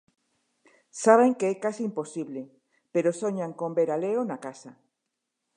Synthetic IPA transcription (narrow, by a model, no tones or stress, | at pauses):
saβ̞eŋkeɛkasiːmpo̞siβle | peɾosoɲaŋkombeɾaleonakasa